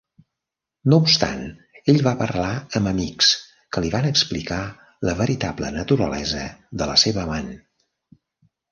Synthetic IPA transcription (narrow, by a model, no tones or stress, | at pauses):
nowpst̪a̰n | eʎβapərlaəmbəmiks | kəliβanəksplika | ləβəɾit̪ablənət̪uɾə̰lɛzəðələseβəman